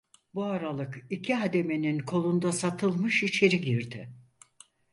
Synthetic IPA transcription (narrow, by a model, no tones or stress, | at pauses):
buaɾalˠɯkicʰiɦad̪e̞me̞ninkʰo̞lˠund̪asat̪ʰɯlˠmɯʃit͡ʃʰe̞ɾiɟiɾd̪ɪ